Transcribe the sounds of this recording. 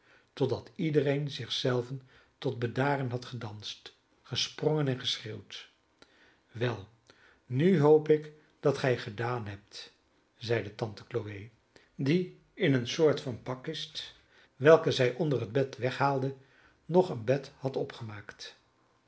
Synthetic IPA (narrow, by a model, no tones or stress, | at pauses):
tɔdɑtidərejnzɪχsɛlˠvən | tɔd̚bədaːrənɦɑtχədɑnst | χəsprɔŋənɛnχəsreːwt | ʋɛlˠ | nyɦowpɪk | d̥ɑtχɛjχədaːnɦɛp̚t | zɛjdətɑntə̥klowej | di | ɪnənsʊːɹtfɑnpɑkɪst | ʋɛlˠkəzɛjʔɔndərəd̚bɛtʋɛχɦaːlˠdə | nɔχənbɛthɑtɔpχəmaːkt